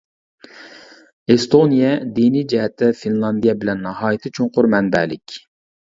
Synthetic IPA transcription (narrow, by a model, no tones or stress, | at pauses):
est̪ʰonijɛd̪inid͡ʒɛɦɛt̪ʰɪfinlˠɑnd̪ijɛbɪlɛnːɑɦɑːjit̪ʰɪt͡ʃʰuŋqʊɾmɛnbɛ̰ːlɪ̰kʲ